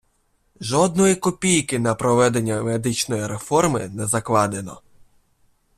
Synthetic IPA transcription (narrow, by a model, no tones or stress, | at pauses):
ʒɔd̪̚nɔjikɔpʲijkɪnɐpɾɔʋɛd̪enʲːɐmed̪ɪt͡ʃnɔjiɾefɔrmɪnɛzɐklˠɑd̪enɔ̰